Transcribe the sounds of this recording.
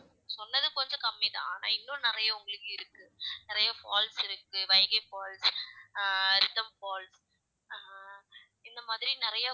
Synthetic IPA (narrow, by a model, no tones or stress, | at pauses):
sɔnːɐðɯkɔɲd͡ʒɔ̃kɐmːit̪ã̰ːaːna̰ːɪnːʊ̃nɪɾɐjɐʊŋɡɐɭɯkːɯɪɾɯkːɯnɪɾɐjɐfaːlsɪɾɯkːɯʋɐɪɣɐɪfaːls | ɾɪt̪ːɐmfaːls | ɪnd̪ɐmaːðɪɾinɪɾɐja